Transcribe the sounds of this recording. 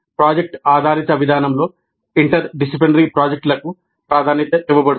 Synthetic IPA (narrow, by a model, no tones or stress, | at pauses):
pɾaːd͡ʒek̚ʈaːd̪ʱaːɾit̪ɐʋid̪ʱaːnɐmlo̞ː | iɳʈɐɾɖisiplinɐɾipɾaːd͡ʒek̚ʈlɐku | pɾaːd̪ʱaːnit̪ɐt̪iʋːɐbɐɽu